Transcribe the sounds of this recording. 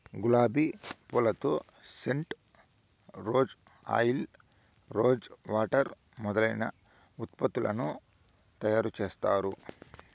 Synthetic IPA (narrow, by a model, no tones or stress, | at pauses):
ɡulaːbipulɐt̪o̞ː | seɳʈ | ɾo̞ːd͡ʒ | a̰ːjl | ɾoːd͡ʒʋaːʈɐɾ | mɔd̪ɐlɐjnɐ̰ | ut̪pɐt̪ːulʔɐ̰nu | t̪ɐjaːɾut͡ʃeːst̪aːɾu